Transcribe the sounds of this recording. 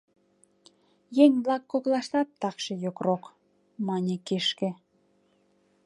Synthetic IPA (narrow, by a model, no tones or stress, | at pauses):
jeŋblɑkːoklɑʃt̪ɑt̪ːɑkʃejokrok | mɑnʲekeʃkĕ